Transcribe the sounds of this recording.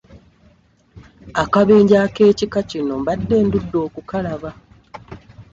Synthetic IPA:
akaβe̞ːɲɟaːke̞ːcikacino̞mbadːe̞ːndudːo̞ːkukalaβa

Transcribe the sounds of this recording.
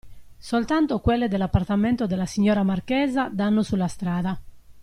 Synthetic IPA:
solt̪ant̪okwelːed̪elːapːart̪ament̪od̪elːasiɲːɔːɾamarkɛːzad̪anːosulːast̪ɾaːða

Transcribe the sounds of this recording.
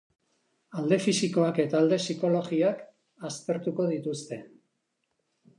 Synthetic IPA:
ald̪e̞fisiko̞ake̞t̪aːld̪e̞siko̞lo̞ɣiak | ast̪e̞ɾt̪uko̞ð̞it̪ust̪e̞

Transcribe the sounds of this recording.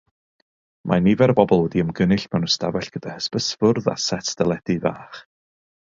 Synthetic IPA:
mʔanivɛɾbɔbɔlˠwɛdiəmɡənɪɬmarnunstavɛɬɡ̥əd̥ahəspəsvʊrða̰sɛtʰd̥ɛlˠɛdiva̰ːχ

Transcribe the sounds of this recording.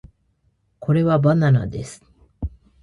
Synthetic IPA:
kʰo̞ɾe̞βabanana̰d̪e̞sɨ̥

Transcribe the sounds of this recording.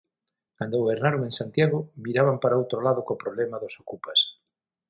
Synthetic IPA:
kand̪oɣβeɾnaɾomẽŋsant̪jaɣomiɾaβampaɾaowt̪ɾolaðokopɾoβlɛmaðosokupas

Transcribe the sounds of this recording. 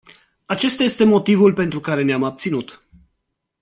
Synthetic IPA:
at͡ʃe̞st̪aje̞st̪e̞mo̞t̪ivulpe̞nt̪ɾukaɾe̞neamab̚t̪sinut̪

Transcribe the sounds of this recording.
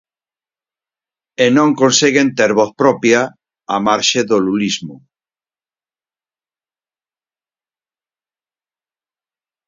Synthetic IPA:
enõŋkõnseɣent̪eɾβoθpɾɔpja | amaɾʃeðolulizmo

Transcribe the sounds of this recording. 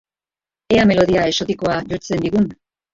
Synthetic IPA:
e̞ame̞lo̞ðiae̞so̞t̪iko̞aʝo̞ɾt͡se̞nd̪iɣun

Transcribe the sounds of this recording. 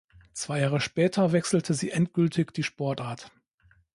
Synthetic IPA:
t͡sv̥aɪjaːʁəʃpɛːtʰɐvɛksl̩tʰəziːʔɛntɡ̥ʏltʰɪçd̥iːʃpɔɐtaɐt

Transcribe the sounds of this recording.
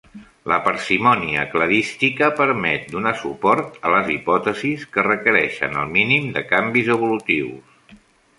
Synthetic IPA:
ləpəɾsimɔniəkləðist̪ikəpəɾmɛt̪̚d̪unasupɔɾt̪ələzipɔt̪əziskərəkəɾɛʃə̰nə̰lˠminimd̪əkambizəβ̞ulut̪iws

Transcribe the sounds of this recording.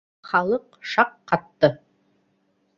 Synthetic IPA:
χɑlˠɤqʃɑqːɑt̪ːɤ

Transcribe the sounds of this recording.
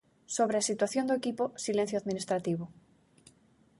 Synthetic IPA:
soβɾeasit̪waθjond̪oekiposilẽn̟θjoaðmĩnist̪ɾat̪iβ̞o

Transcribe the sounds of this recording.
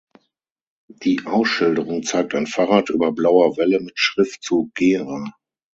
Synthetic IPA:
d̥iːʔaʊsʃɪldəʁʊŋt͡saɪk̚taɪnfaːʁaːtʔyːbɐblaʊɐvɛləmɪtʃʁ̥ɪftt͡suɡ̥eːʁa

